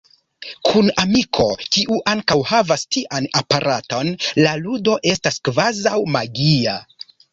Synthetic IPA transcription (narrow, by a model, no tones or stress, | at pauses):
kʰunamikʰo̞kiʔuʔaŋkawhavastiʔanapaɾʔato̞nlaludo̞ʔe̞staskvazawmaɡia